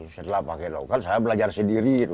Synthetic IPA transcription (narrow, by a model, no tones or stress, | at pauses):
sət̪əlapakɛnla̰ukansajabəlad͡ʒarsəndiɾit̪u